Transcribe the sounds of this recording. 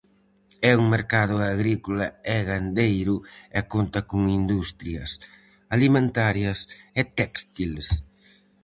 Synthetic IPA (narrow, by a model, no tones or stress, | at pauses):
ɛuŋmeɾkaðʊaɣɾikolɐɛɣand̪ejɾʊɛkont̪ɐkʊŋind̪ust̪ɾiɐs | alimẽnt̪aɾjɐsɛt̪ɛkst̪ils